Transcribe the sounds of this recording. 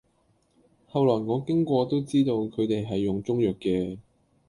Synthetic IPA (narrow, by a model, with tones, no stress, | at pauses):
hɐ˨wlɔː˨˩jŋɔː˨˧kɪ˥ŋkʷɔː˧t̪o˥wt͡siː˥t̪o˧wkʰɵ˨˧ɥt̪e˨jɦɐ˨jːʊ˨˩ŋt͡sʊ˥ŋjœː˨kːɛː˧